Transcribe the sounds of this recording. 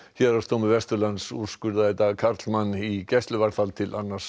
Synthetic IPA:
çɛɾḁst̪ʰomʏvɛst̪ʏɾlansuðskʏɾðaθɛjt̪akʰaɾt̪lmanːicɛst̪lʏvaɾ̥θalt̪ʰɪlʔanːḁs

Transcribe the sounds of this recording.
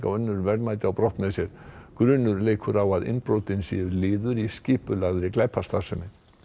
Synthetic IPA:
ka̰wœnːʏɾvɛɾaːjt̪ɪawpɾɔht̪nɛsjɛɾ̥kɾʏːnːʏɾleːjkʰʏɾawaðɪ̰npɾoːwt̪ɪnsɛʏlɪːðʏɾiscɪːpʏlaɣðɾɪklajpʰast̪ḁsɛnɪ

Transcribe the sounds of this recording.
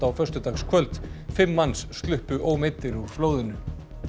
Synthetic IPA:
awfœrst̪ʏt̪axskʰvœlt̪fɪmːansːt̪lʏhpʏʔoːwmet̪ːɪɾuɾfloːwðɪnʏ

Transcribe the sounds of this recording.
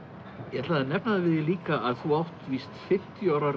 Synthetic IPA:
jɛt̪laːðanɛpnaðɪvɪðjɛliːkaʔaðθuawht̪viːst̪fɪm̥t̪jʏawɾaɾ

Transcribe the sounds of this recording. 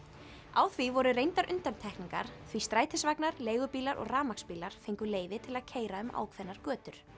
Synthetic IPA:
awθvivɔɾʏɾejnt̪aɾʔʏnt̪amt̪ʰɛhkniŋka̰ɾ̥θvist̪ɾaːjt̪ʰɪsvaknaɾleːjɣʏpiːlaɾʔɔ̰ɣraːmakspiːlaɾ̥fejŋkʏleːjvɪt̪ʰɪlaðcʰeːjɾaʏmʔa̰ːwkʰvɛnːaɾ̥kœːt̪ʏɾ̥

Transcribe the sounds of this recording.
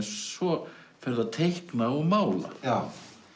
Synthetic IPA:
nsvɔ | fɛɾðat̪ʰejhknaɔɣmaːwla̰

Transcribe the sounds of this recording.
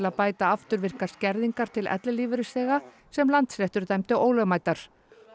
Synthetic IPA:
laðpaːjt̪aaft̪ʏɾvɪr̥kaɾ̥scɛɾðiŋkaɾ̥t̪ʰɪlʔɛ̰t̪lɪliːvʏɾɪsɛːɣa | sɛmlant̪slɛht̪ʏɾ̥t̪ajmt̪ɪʔoːwlœmaːjt̪aɾ̥

